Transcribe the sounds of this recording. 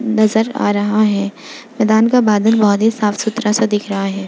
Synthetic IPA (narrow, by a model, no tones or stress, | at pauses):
nɐzəɾa̰ːɾɐɦaɦɛː | mɛːd̪aːnkabaːd̪ənbɔɦʊt̪ɦisaːfsʊt̪ɾasad̪ɪkʰɾɐɦaɦɛː